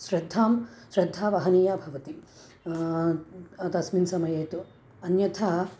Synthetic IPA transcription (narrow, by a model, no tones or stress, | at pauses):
ʃɾɐd̪ʱːaːmʃɾɐd̪ʱːaːʋɐɦɐnijaːbʱɐʋɐt̪i | t̪ɐsminsɐmɐjɐːt̪u | ɐnjɐt̪ʰa